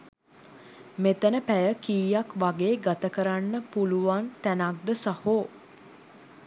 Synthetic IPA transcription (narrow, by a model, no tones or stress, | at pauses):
met̪ənəpæjəkiːjakʋaɡeːɡat̪əkəɾanːəpuluʋant̪ænak̚d̪əsahoː